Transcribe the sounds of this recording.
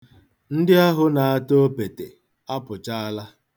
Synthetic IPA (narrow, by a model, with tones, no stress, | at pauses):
n̩˦dɪ˦a˦ɦʊ˦na˨a˦to˦pe˨te˨ | a˦pʊ˨t͡ʃa˦a˦la˦